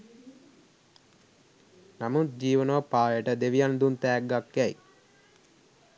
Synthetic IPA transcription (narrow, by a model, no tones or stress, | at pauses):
namut̪̚d͡ʒiːʋənoːpaːjəʈəd̪eʋijand̪unt̪ɛːɡːakːæj